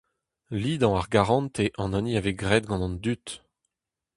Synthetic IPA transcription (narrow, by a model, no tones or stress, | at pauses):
lid̪ɑ̃aʁɡaʁɑ̃nt̪eʔɑ̃naniaveɡʁɛd̪̚ɡɑ̃nɑ̃nd̪yt̪